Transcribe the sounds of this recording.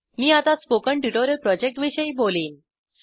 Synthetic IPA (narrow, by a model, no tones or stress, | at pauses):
miːat̪aspokəɳʈjuʈoɾjəlpɾɔd͡ʑek̚ʈʋiɕəiːboliːn